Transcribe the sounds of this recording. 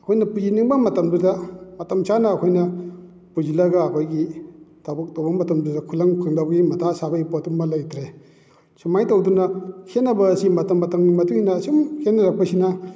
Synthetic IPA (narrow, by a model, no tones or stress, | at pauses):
ɐkʰojnɐpuziniŋbɐmɐtɐmdudɐmɐtɐmsanɐːkʰojnɐ | puzilɐɡɐːkʰojɡitʰawbɐk̚towbɐmɐtɐmdudɐkʰulɐŋkʰaŋdabɐɡimɐtʰasabɐipotumɐlajtʰɾe | sumajtɐwdunɐkʰenːɐbɐːsimɐtɐmːɐtɐmɡimɐtuŋhinɐːsumkʰenːɐɾɐk̚pɐsinɐ